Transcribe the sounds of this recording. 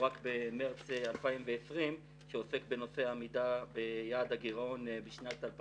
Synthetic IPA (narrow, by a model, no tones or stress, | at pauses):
ʁakbemeʁt͡salpaimveesʁim | ʃeofekbe̞no̞fe̞amidabejaːd̪aɡiʁo̞nbiʃnat̪alp